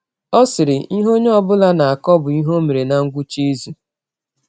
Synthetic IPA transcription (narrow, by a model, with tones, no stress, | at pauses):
ɔ˦sɪ˨ɾɪ˨ʔi˦ɦo˦ɲ˦ɔ˦bʊ˦la˦na˨a˨kɔ˦bʊ˨i˦ɦo˦me˨ɾe˨na˨ŋ̩˦ɡʷʊ˦t͡ʃi˦zu˨